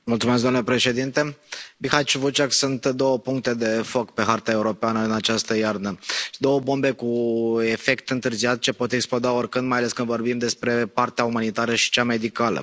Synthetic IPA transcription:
multsumes̬kd̪oamnlepɾe̞ʃe̞d̪int̪e̞bixat͡ʃuvut͡ʃaksunt̪d̪o̞wəpuŋk̚t̪e̞d̪e̞fo̞kpe̞ɦart̪ae̞uɾo̞peanəɨnat͡ʃast̪əjarnəd̪o̞wəbo̞mbe̞kue̞fe̞kt̪ɨnt̪ɨrziat̪̚t͡ʃe̞po̞t̪e̞ksplod̪aorkɨnd̪majaleskɨnd̪vo̞rbimd̪e̞spɾe̞part̪eaumanit̪aɾəʃi̥t͡ʃamejd̪ikalə̰

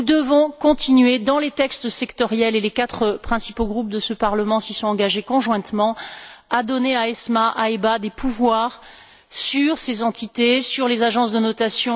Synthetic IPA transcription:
nud̪əvɔ̃kɔ̃t̪ʰinɥed̪ɑ̃let̪ɛkst̪sɛkt̪ɔʁjɛlelekat̪χəpχɛ̃sipoɡʁup̚d̪əsəpaʁləmɑ̃sisɔ̃ɑ̃ɡaʒekɔ̃ʒwɛ̃t̪mɑ̃ad̪ɔneaɛsmaʔaebad̪epʰuvwaʁ | syʁsezɑ̃t̪it̪esyʁlezaʒɑ̃sd̪ənɔt̪asjɔ̃

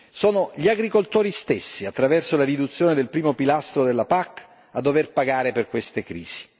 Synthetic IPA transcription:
soːnoʎiaɡɾikolt̪oːɾist̪esːiat̪ːɾavɛrsolarid̪ut̪sːjoːned̪elpɾiːmopilast̪ɾod̪elːapakː | ad̪ːoverpaɡaːɾeperkwest̪ekɾiːz̥i̥

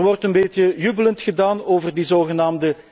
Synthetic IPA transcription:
rʋɔrtənbeːtjəjybələntxədaːnoːvərdizoːɣənaːmdə

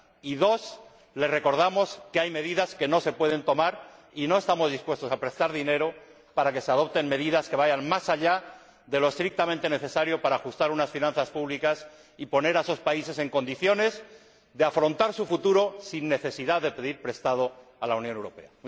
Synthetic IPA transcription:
iðo̞s | le̞sre̞ko̞ɾð̞amo̞skeajme̞ðiðaske̞no̞se̞pwe̞ð̞e̞nt̪o̞maɾ | ino̞e̞st̪amo̞zðispwe̞st̪o̞sapɾe̞st̪aɾðine̞ɾo̞ | paɾake̞se̞aðo̞p̚t̪e̞nme̞ðiðaske̞βajanmasaʎa | ðe̞lo̞e̞st̪ɾik̚t̪amẽnt̪e̞ne̞θe̞saɾjo̞paɾaːxust̪aɾunasfinãnθaspuβlikas | ipo̞ne̞ɾaeso̞spaise̞se̞ŋko̞nd̪iθjo̞ne̞z | d̪e̞afɾo̞nt̪aɾsufut̪uɾo̞sinːe̞θe̞siðaðe̞pe̞ðiɾpɾe̞st̪að̞o̞alaunjonewɾo̞pe̞̰a

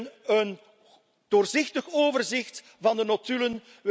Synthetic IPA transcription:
nən | d̥oːrzɪxtəxoːvərzɪxt | vɑndənotylən

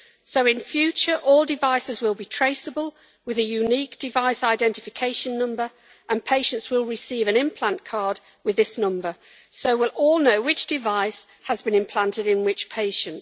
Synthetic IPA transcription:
soʊɪ̃nfjʉˑt͡ʃəɹʔɔlˠdɪvaɪsɪzwɪlˠbitʰɹ̥eɪsəbəlˠ | wɪðəjʉniˑk̚d̥ɪvaɪsaɪdɛ̃ntɪfɪkʰeɪʃə̃nːʊ̃mbə˞ | ʔə̃npʰeɪʃə̃ntswɪlˠɹɪsiːvə̃ñɪ̃mpʰl̥ãnkʰɑːd̚ | wɪðɪsnʌ̃mbə | soʊwɪlˠʔɔlˠnoʊwɪt͡ʃd̥ɪvaɪs | həzbɨ̃nɪ̃mpʰl̥ãntɪɾɪ̃nwɪt͡ʃpʰeɪʃə̃nt

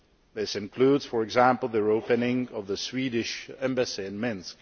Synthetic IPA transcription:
ðɪsɨ̃nkʰl̥udz̥fə˞ɨɡzæ̃mpl̩ˠðəoʊpɨnɪ̃ŋʌvðəswiːɾɪʃɛ̃mbæsĩnmɪ̃nsk

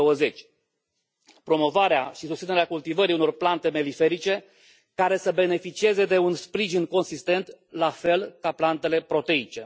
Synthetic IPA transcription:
owəze̞t͡ʃʲ | pɾo̞mo̞vaɾeaʃisust̪sineɾeakult̪ivəɾiuno̞rplant̪e̞me̞life̞ɾit͡ʃe̞ | kaɾe̞səbe̞ne̞fit͡ʃie̞ze̞d̪e̞unspɾiʒinko̞nsist̪e̞nt̪lafe̞lkaplant̪e̞le̞pɾo̞t̪e̞it͡ʃe̞

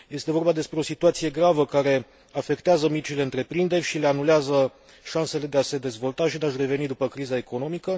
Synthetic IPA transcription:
je̞st̪e̞vo̞rbad̪e̞spɾe̞o̞sit̪uat̪sije̞ɡɾavəkaɾe̞ | afe̞kt̪eazəmit͡ʃile̞ɨnt̪ɾe̞pɾind̪e̞rʲʃile̞anuleazə | ʃanse̞le̞d̪e̞ase̞d̪e̞zvo̞lt̪aʃid̪eaʃre̞ve̞nid̪upəkɾizae̞ko̞no̞mikə

